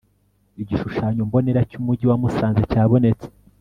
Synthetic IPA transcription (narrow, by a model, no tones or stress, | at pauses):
iɟiʃuʃaːɲombo̞ne̞ɾacumuɟiwamusaːnzecaːβo̞ne̞t͡se̥